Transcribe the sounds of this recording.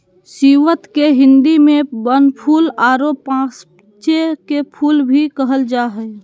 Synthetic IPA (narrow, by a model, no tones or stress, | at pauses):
siʋət̪keɦɪ̃nd̪imẽbənpʰuːlaːɾopãːs | t͡ʃekepʰuːlbʱikəɦəld͡ʒaːɦɛ